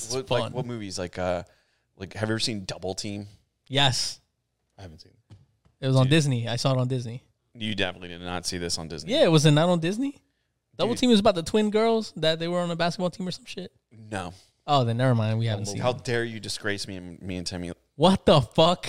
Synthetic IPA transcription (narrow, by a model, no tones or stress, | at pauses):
ʌfaʌ̰̃nwʌt̚mʉvizlaɪkʌ | la̰ɪkhɨvjɛvə˞sĩndʌbl̩ˠtʰĩm | jɛs | aɪhævn̩tsĩn | ɨt̚wʌzn̩dɪzniaɪsɔəɾn̩dɪzni | jɨdɛfənətˡlidɨdⁿnə̰tsiðɪsn̩dɪ̰znijæɪt̚wʌzɨtⁿnəɾn̩dɪzni | d̥ʌbl̩ˠtʰĩmʌzəbaʊt̪̚ðətʰw̥ɪ̃nɡɜ˞lˠz̥ðɨt̪̚ðeɪwə˞ə̃nəbæskət̚bɔlˠtʰĩmə˞sʌ̃mʃɪt̚ | noʊ | oʊðeɪnɛvə˞mãɪ̃nd̚wihævn̩tshaʊdɛɹjɨdɨsɡ̥ɹeɪsmiɨ̃nmiɨ̃ntʰɛlˠmḭ | wʌt̪̚ðəfʌk